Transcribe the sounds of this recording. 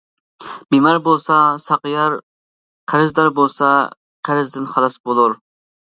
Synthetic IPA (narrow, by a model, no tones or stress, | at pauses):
bimɑɾbolˠsɑsɑqjɑɾ | qʰæɾɪzd̪ɑɾbolˠsɑ | qʰæɾɪzd̪ɪnχɑlˠɑsbolˠuɾ